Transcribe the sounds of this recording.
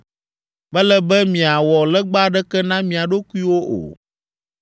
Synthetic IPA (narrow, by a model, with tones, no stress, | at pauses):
bɛ˦lɛ˦bɛ˦mĩ˨a˨wɔ˨lɛ˦ɡ͡ba˦ɖɛ˦kɛ˦nã˦mĩ˨a˨ɖo˦ku˦i˦wo˦ʔo̰˨